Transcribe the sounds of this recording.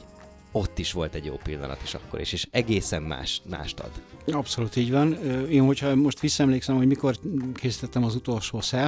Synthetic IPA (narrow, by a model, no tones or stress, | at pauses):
o̞t̪ːiʃʋo̞lt̪ɛɟjo̰ːpilːɒ̰nɒ̰t̪iʃɒkːo̞̰ɾḭʃeːʃɛɡeːsɛmma̰ːʃma̰ːʃt̪ɒ̰d̪ɒpso̞lut̪iːɟʋɒnøːeːnho̞chɒmo̞ʃt̪ʋisːɒɛmleːksɛmho̞ɟmiko̞rkʰeːsi̥t̪ɛt̪ːɛmɒzut̪o̞lʃoːsɛ